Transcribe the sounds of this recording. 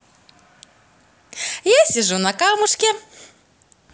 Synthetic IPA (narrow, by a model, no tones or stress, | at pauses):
jasʲɪʐunɐkalmʊʂkʲɛ